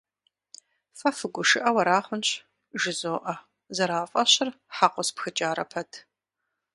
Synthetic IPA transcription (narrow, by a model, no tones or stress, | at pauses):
fɐfɨɡʷʊʂɨʔɐwɐɾaːχʷʊnɕ | ʒɪzoːʔɐ | zɐɾaːfʼɐɕɪr | ħaqʷɔspxɨt͡ʃʼaːɾɐpʰɐtʰ